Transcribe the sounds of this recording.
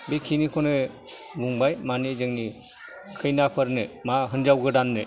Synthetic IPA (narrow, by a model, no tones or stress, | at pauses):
bekʰinikʰɔnɯ | buŋbajmanizɯŋni | kʰɯjnapʰɯɾnemaɦɯnd͡ʒawɡɯdanːe